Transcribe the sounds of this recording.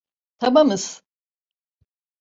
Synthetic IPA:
t̪ʰabamɯz̥

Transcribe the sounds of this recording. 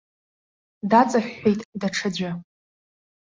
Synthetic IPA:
dat͡sʼaħʷːejtʼdaʈ͡ʂʰɨd͡ʑʷa

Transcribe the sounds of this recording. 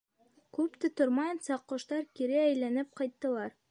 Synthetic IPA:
kʉpt̪ɘt̪ŏɾmɑjɤ̆nsɑqːŏʃt̪ɑɾkiɾɘæjlænɘp̚qɑjt̪ːɤ̆lˠɑɾ

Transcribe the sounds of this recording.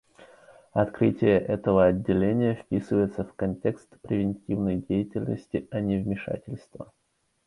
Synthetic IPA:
ɐt̪kɾɨtʲɪjəʔɛt̪əvəɐdʲːɪlʲenʲɪjəfpʲisɨvəjɪt̪səfkɐnʲtʲe̞kst̪pɾʲɪvʲɪnʲtʲivnəjdʲejɪtʲɪlʲnə̰sʲtʲɪɐnʲɪvmʲɪʂa̰tʲɪlʲst̪və̰

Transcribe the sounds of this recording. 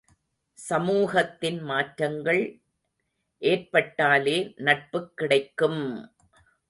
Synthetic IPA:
sɐmuːɣɐt̪ːɪnmaːʈɾɐŋɡɐɭ | ʔeːrpɐʈːaːleːnɐʈ̚pɯkːɪɽɐɪkːɯm

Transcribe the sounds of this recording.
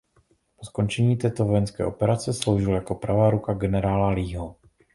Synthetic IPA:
posko̞nt͡ʃɛɲiːt̪ɛːt̪o̞vo̞jɛnskɛ̰ːʔo̞pɛɾat͡sɛslo̞wʒɪljako̞pɾavaːɾukaɡɛnɛɾaːlaliːɦo

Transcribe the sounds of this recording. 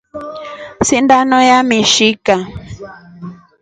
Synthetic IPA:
sind̪anõjamĩʃika

